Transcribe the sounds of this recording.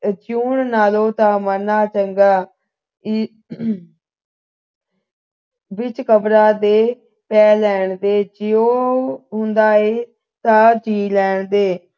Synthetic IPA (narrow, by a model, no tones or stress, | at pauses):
d͡ʒuːɳnaːlõːt̪ãːmənaːt͡ʃəŋɡaː | bɪt͡ʃkəbɾaːd̪eː | pɛːlɛːɳd̪eːd͡ʒɪoːɦʊnd̪aːeː | t̪ãːd͡ʒiːlɛːɳd̪eː